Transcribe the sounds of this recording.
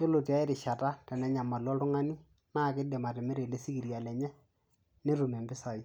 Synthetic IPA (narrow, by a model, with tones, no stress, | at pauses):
t͡ʃo˦lo˨ti˨a˦ɪ˦ɾɪ˨ʃa˨ta˦tɛ˨nɛ˨˦ɲa˨ma˨lwɔ˦tʊ˦ŋa˦ni˦ | naː˦˨kɪ˦de˨ma˨tɛ˨me˦ɾe˨le˦si˦ki˨ɾja˨lɛ˨ɲɛ˦ | ne˦ɾu˨mɛ˨mbɪ˦sa˨i˦